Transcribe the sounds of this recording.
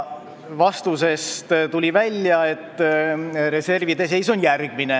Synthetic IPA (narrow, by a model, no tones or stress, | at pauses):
vɑst̪use̞st̪t̪ulʲivælʲjɑe̞t̪ːɾe̞se̞rvid̪e̞s̬e̞jsonjærɡ̥̚mine̞